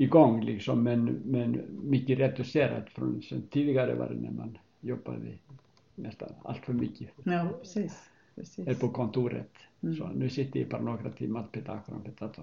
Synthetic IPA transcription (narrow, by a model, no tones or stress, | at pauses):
iɡɔŋːliksɔmːɛnmɛnmʏcɪrɛt̪ʏsɛːɾa̰t̪fɾɔ̰nsɛnt̪ʰːiðɪɣaɾɪ̰ʋa̰ɾ̰nɛ̰man | jɔba̰ðɪ | nɛst̪ana̰l̥t̪fœɾmʏcɪ | ɛɾpɔkʰɔnt̪uɾɛ̰t̪sɔnʉsɪht̪ɪipʰaɾnɔkɾat̪ʰimat̪pʰɛt̪akɾa̰mpʰɛt̪at̪ʰa